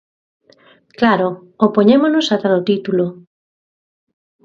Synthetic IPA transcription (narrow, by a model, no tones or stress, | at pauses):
klaɾo | opoɲemonosat̪aðot̪it̪ulo